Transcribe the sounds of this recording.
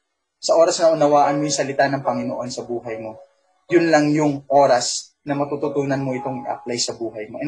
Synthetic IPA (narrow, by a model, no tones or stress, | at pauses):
sɐʔo̞ːɾɐsnɐʔʊnɐwaːʔɐnmo̞jʊŋsɐlɪt̪anɐŋpɐŋɪnoʔo̞nsɐbuːɦɐjmo̞ | jʊnlɐŋjʊŋʔo̞ːɾɐs | nɐmɐt̪ut̪ʊt̪uːnɐnmo̞ʔɪt̪o̞ŋɪ̰ʔɐ̰p̚lajsɐbuːɦɐjmoʔɛ